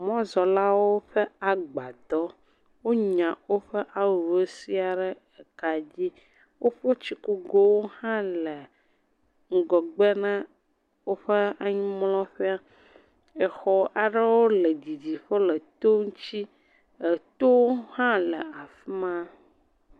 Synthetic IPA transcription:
mɔ̃˦zɔ˨la˦wo˦ɸɛ˦a˨ɡ͡ba˨d̪ɔ˦ | wo˦ɲã˨wo˦ɸɛ˦ʔa˦wu˨u˨e˦si˦a˨ɖɛ˦ | ɛ˨ka˨d͡ʑi˦ | wo˦ɸe˦t͡ɕi˦ku˦ɡo˦wo˦hã˦lɛ˨ | ŋ̩˦ɡɔ˨ɡ͡bɛ˦nã˦ | wo˦ɸe˦a˨ɲĩ˦mlɔ̃˦ɸɛ˦a˦ | ɛ˨xɔ˨ʔa˨ɖe˦wo˦le˨d͡ʑi˨d͡ʑi˨ɸe˦lɛ˨t̪o˦ŋu˦t͡ɕi˦ | e˨t̪o˦whã˦lɛ˨a˨fi˦mã˦

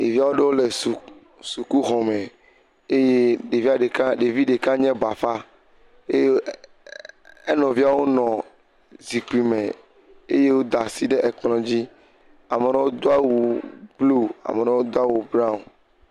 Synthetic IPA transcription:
e˨vi˦a˦wo˦ɖe˦wo˦le˨s | su˨ku˦ɦɔ̃˨mɛ̃˨ | e˦je˦ɖe˨vi˦a˦˨ɖe˨kã˦ɖe˨vi˦ɖe˨kã˦ɲɛ̃˦ba˨fa˦ | e˦ | e˦nɔ̃˨vi˦a˦wo˦nɔ̃˨ | zi˨k͡pi˨mẽ˨ | e˦je˦wo˦d̪a˨si˦ɖe˦ʔɛ˨k͡plɔ̃˨d͡ʑi˦ | a˨me˨nɔ̃˦wo˦d̪o˦a˦wu˨blu˦a̰˨me˨nɔ̃˦wo˦d̪o˦a˦wu˨bɾa˦˨n

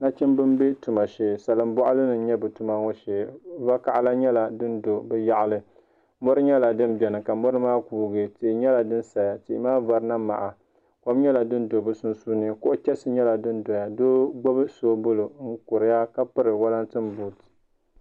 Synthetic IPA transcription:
na˦t͡ʃɪ˦mbɨ˦mbe˦tu˨ma˨ʃeː˨sa˨lɨ˨m˦bɔ˦ʔa˦lɨ˦nɨ˨˦ɲɛ˦bɨ˨tu˨ma˦ŋɔ˦ʃeː˨va˦ka˦˨ʔa˦la˦ɲɛ˦la˨dɨ˦ndo˨bɛ˦ja˦ʔa˨lɨ˦ | mɔ˦ɾɨ˦ɲɛ˦la˨dɨ˦mbɛ˨nɨ˨ka˨mɔ˦ɾɨ˦maː˦kuː˨ɡɨ˨ti˨ɲɛ˦la˨dɨ˦nsa˨ja˨ti˨ʔmaː˦va˨ɾɨ˦na˦ma̰˨ʔa˨ | ko˨˦m˦ɲɛ˦la˨dɨ˦ndo˨bɨ˦su˦nsuː˦nɨ˦ko˦ʔt͡ʃɛ˦sɨ˦ɲɛ˦la˨dɨ˦n˦do˨ja˨doː˦ɡ͡bo˦bɨ˦soː˦bʊ˦lo˨ŋ̩˦ko˨ɾɨ˨ja˦ka˦pɨ˦ɾɨ˨wa˦la˦ntɨ˦m˦buː˨tɨ̥˨

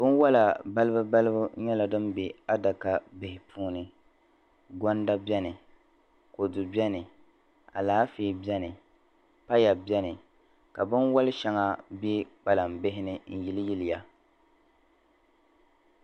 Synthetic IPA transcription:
bɨ˦nwɔ˦la˨ba˦lɨ˦bɨ˦ba˦lɨ˦bʊ˦ɲɛ˦la˨dɨ˦mbe˨a˦da˨ka˦bɪ˨hɪ˨pʰuː˦nɨ˨ | ɡɔ˦n˦da˦bɛ˦nɨ˨ | ko˨dʊ˨bɛ˦nɨ˨ | a̰˨laː˨˦feː˨bi˦ɛ˦nɨ˨ | pa˦ja˨bɛ˦nɨ˨ | ka˨bɨ˦nwɔ˦lɪ˦ʃɛ˦ŋa˦be˦k͡pa˨la˨mbɪ˦ɦɪ˦nɨ˦n̩˨ji˦lɪ˦jɪ˦lɪ˨ja˦

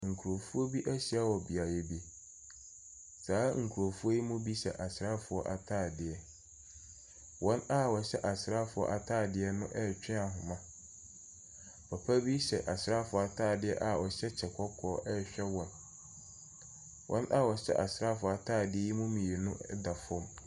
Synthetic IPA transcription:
ŋ̩˨kʰu˨ɾo˨fu˦o˦bi˦ʔæ˦ɕi˨a˦wɔ˨bi˨a˨je˨bi˦ | saː˨˦ŋ̩˨kʰu˨ɾo˨fu˦o˦ji˦mʊ̃˦bi˦ɕɛ˨ʔa˨sɾa˦fʊ˨ɔ˦ʔa˨tʰaː˦˨dɪ˨ɛ˨ | wɔ̃˦na˦wɔ˨ɕɛ̰˦ʔa˨sɾa˦fʊ˨˦ɔ̰˦ʔa˨tʰaː˦˨dɪ˨˦ɛ˦nʊ̃˦ʔɛ˦˨t͡ɕᶣɪ̃˦a˨ɦʊ̃˨mã˦ | pʰa˨pʰa˦bi˦ɕɛ˨ʔa˨sɪ˨ɾa˦fʊ˨ɔ˨a˨tʰaː˦˨dɪ˦ɛ̰˦ʔa˨wɔ˨ɕɛ˦t͡ɕʰɛ˨kʰɔ˦kʰɔː˨˦ʔɛ˦˨ɕᶣɛ˦wɔ̃˨n | wʔɔ̰̃˦nʔa˦wɔ˨ɕɛ̰˦ʔa˨sɾa˦fʊ˨a˨tʰaː˦˨dɪ˦ɛ˦ji˦mʊ̃˦mĩ˨e˨nʊ̃˦da˨fɔ˦m

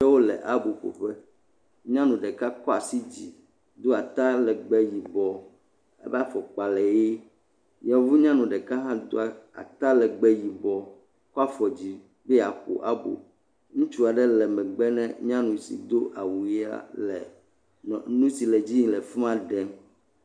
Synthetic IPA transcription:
ɛ˦wo˦lɛ̰˨ʔa˦bo˨ɸo̰˨ɸɛ˦ | ɲã˦nũ˨ɖɛ˨ka˦kɔ˦a˨si˦d͡ʑi˨ | d̪o˦a˨t̪a˦lɛ˨ɡ͡bɛ˦ji˨bɔ˨ | ɛ̰˦bɛ˦a˦fɔ˨k͡pa˨lɛ˨je˦ | ja˨vu˦ɲã˦nũ˨ɖɛ˨ka˦ɦã˦d̪o˦a˨a̰˨t̪a˦lɛ˨ɡ͡bɛ˦ji˨bɔ˨ | kɔ˦a˦fɔ˨d͡ʑi˨ | bɛ˦˨a˨ɸo̰˨ʔa˦bo̰˨ | ŋũ˦t͡ʃu˦a˨ɖɛ˦lɛ˨mɛ̃˨ɡ͡bɛ˦nɛ̰̃˦ɲã˦nũ˨sḭ˨d̪o˦ʔa˨wu˨˦a̰˦lɛ˨ | nũ˦si˨lɛ˨d͡ʑi˦ɲĩ˨lɛ˨fũ˦ã˦ɖɛ˦m

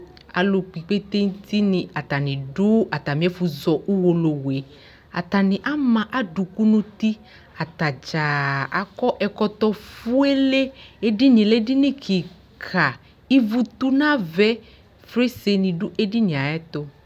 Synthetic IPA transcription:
a̰˨lo˨k͡pi˨k͡pe˦t̪e˦ŋ̩˦t̪i˦nĩ˨a˨t̪a˨nĩ˨ɖu˦a˨t̪a˨mĩ˨˦ɛ˦fu˨zɔ˨ʔu˦wo˨lo˨we˨˦ | a̰˨t̪a˨nĩ˨ʔa˦mã˦ʔa˦ɖu˨ku˦nũ˦t̪i˦ | a˨t̪a˨d͡ʒa˨a˨kɔ˦ʔɛ˨kɔ˦t̪ɔ˧fu˦e˦le˦e˦ɖi˦nĩ˨le˦di˦nĩ˦kʰi˨ | kʰa˨ | i˦vu˦t̪u˦nã˦vɛ˦ | fɾe˦se˧nĩ˨ɖu˦ʔe˦ɖi˦nĩ˨a˨ɛ˦t̪o˦

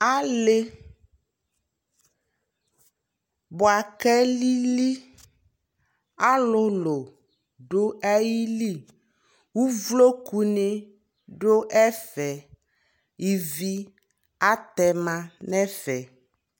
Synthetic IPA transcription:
a˦le˦ | bo˨a˨kɛ˦li˦li˦ | a˦lʊ˦lo˨ | ɖo˦ɛ˦ji˦li˦˨ | wu˦vlo˦ku˨ne˦ | ɖo˦ʔɛ˦fɛ˨ | i˨vi˦ | a˦t̪ɛ˨mã˦nɛ̃˦fɛ˨

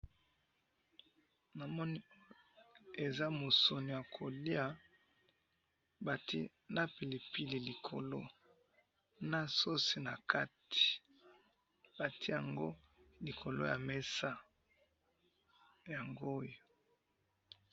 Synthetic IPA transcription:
na˨mɔ˦ni˦o˦ | e˨za˦mo˨so˨ni˨ja˨kʰo˨li˦a˦ | ba˨ti˦ | na˦pi˨li˨pi˦li˨li˨kʰo˨lo˦ | na˦so˦si˨na˨kʰa˦ti̥˨ | b̥a˨tʰi˦ja˨ŋɡo˦ | li˨kʰo˨lo̰˦ja˨me˦sa˦ | ja˨ŋɡo˦jo˦

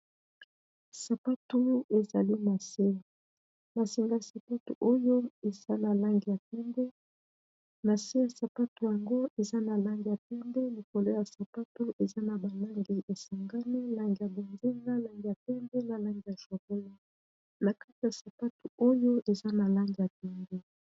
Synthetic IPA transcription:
sa˨pa˦tu˦e˨za˨li˦ma˨se˦˨ | ma˨si˨ŋɡa˦˨sa˨pa˦tṵ˨ʔo˦jo˦e˨za˦na˨la˦ŋɡi˨ja˨pɛ˦mbɛ˦ | ma˨se˦ja˨sa˨pa˦tu˨ja˨ŋɡo˦e˨za˦na˨la˦ŋɡi˨ja˨pɛ˦mbɛ˦li˨ko˨lo˦ja˨sa˨pa˦tu˦ʔe˨za˦na˨ba˨la˦ŋɡi˨ʔe˨sa˨ŋɡa˦ni˦la˦ŋɡi˨ja˨bo˨nze˦ŋɡa˦la˦ŋɡi˨ja˨pɛ˦mbɛ˦na˨la˦ŋɡi˨ja˨ʃwa˨bo˦li˦ | na˨ka˦ti˨ja˨sa˨pa˦tu˨o˦jo˦ʔe˨za˦na˨la˦ŋɡi˨ja˨p̚ɛ˦mbe˦

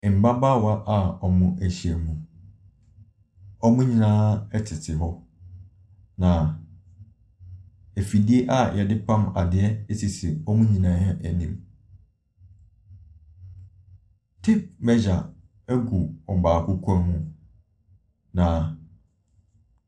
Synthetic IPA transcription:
m̩˨ba˦ba˦wa˦ʔa˨ɔ˨mʊ̃˦ʔæ˨ɕi˨ɛ˨mũ˨ | ɔ˦mũ˦ɲĩ˨nãː˦ɛ˦tʰɪ˨tʰɪ˨ɦɔ˦ | nã˨ | æ˨fi˨di˦e˦ʔa˦jɛ˨dɪ˦pʰã˦ma˨dɪ˨ɛ˦ɛ˦si˨si˨ɔ˦mũ˦ɲĩ˨nãː˦hɛ˦ʔæ˨nĩ˦m | tʰi˦p̚mɛ˦d͡ʑa˨ | ɛ˦ɡu˨ɔ˨baː˨kʰʊ˦kʷʰɔ˦ɾmũ˦ | nã˨

